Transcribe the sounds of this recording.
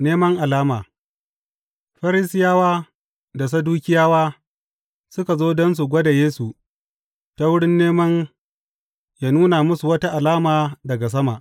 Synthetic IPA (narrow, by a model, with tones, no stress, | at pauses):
neː˦mɐ˦ŋʔa˨laː˦maː˨ | ɸɐ˦ɾɪ˦sɪ˦jaː˦waː˦ | da˨s̬ɐ˦duː˦kʲɪ˦jaː˦waː˦ | sʊ˦ka˨zoː˦dɔ˦ns̬u˨ɡʷɐ˦da˨jeː˦su˨ | ta˦wʊ˦ɽɪ˦nːeː˦mɐ˦n | jaː˦nuː˦na˨mʊ˦su˨wɐ˦ta˦ʔa˨laː˦maː˨dɐ˨ɡa˨s̬ɐ˦ma˨ʔ